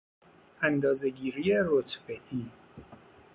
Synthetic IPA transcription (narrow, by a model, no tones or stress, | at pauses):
ænd̪ɒːzeɡiːɾiːeɾot̪ʰbeʔiː